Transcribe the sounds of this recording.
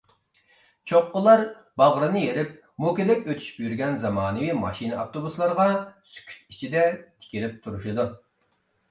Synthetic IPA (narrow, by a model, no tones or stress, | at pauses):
t͡ʃʰoqːəlˠɑɾ | bɑʁɾɨnɨjeɾɪp̚ | mokʲed̪ɛkʲøt̪ʰy̥ʃy̥pjyɾɡʲɛnzɑmɑːnɨwimɑ̰ʃinɨɑft̪obuslˠɑɾʁɑsy̥kʲʰy̥t̪̚it͡ʃʰid̪ɛt̪ʰɪ̥kʲilɪp̚t̪ʰuɾuʃɨd̪u